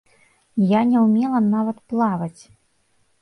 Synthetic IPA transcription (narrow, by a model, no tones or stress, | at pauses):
janʲɛwmʲɛlˠɐnavɐt̪plˠavɐt͡sʲ